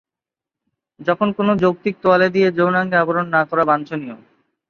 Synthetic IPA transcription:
d͡ʑɔkʰonkonod͡ʑok̚t̪ik̚t̪oaled̪ijed͡ʑownaŋɡeaboɾonːakɔɾabant͡ɕʰonio

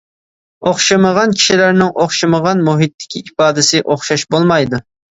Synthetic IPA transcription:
oχʃɨməʁɑnkʲʰi̥ʃilæɾnɪŋʔoχʃɨməʁɑnmuɦit̪ʰːɪ̥kʲiipɑːd̪ɪsɪʔoχʃɑʃbolˠmɑjd̪u

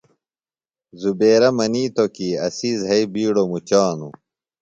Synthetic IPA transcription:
zubeːɾɐmɐniːt̪okiɐsiːzɦɐibiːɽomut͡ɕaːnṵ

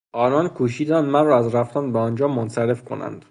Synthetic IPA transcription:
ʔɒːnɒːnkʰuːʃiːd̪ænd̪mænrɒːæzræft̪ænbeɒːnd͡ʒɒːmonsæɾe̞fkʰo̞̰næ̰nd̪̥

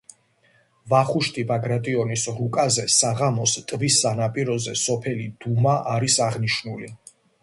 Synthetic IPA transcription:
vaχuʃt̪ʼibaɡɾat̪ʼiɔnisɾukʼazɛsaʁamɔst̪ʼvisːanapʼiɾɔzɛsɔpʰɛlid̪̥umaʔaɾisaʁniʃnuli

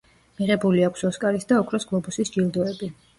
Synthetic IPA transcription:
miʁɛbuliakʷʰsɔskʼaɾisd̪aɔkʰɾɔsɡlˠɔbusisd͡ʒilˠd̪ɔɛbi

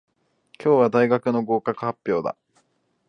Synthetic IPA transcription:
kʲo̞ːβad̪aiɡakɯ̟no̞ɡo̞ːkakɯ̟hapʲːjo̞ːd̪a̰

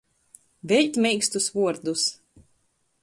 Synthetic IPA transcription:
vʲɛʎʲt̪ʲmʲɛjkst̪usvuɔɾd̪us

